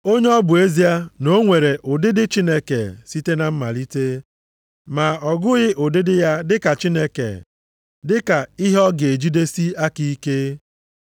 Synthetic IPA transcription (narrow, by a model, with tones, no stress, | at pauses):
o˦ɲe˦ɔ˦bʊ˨e˦zi˦a˦no˦ŋʷe˨ɾe˨ʔʊ˨dɪ˦dɪ˦t͡ʃi˦ne˦ke˨si˦te˦na˨m̩˦ma˨li˦te˦ | ma˨ɔ˨ɡʊ˦ɣɪ˦ʔʊ˨dɪ˦dɪ˦ja˦dɪ˦ka˨t͡ʃi˦ne˦kḛ˨ | dɪ˦ka˨i˦ɦɔ˦ɡe˨d͡ʒi˦de˦si˦a˦ki˦i˦ke˦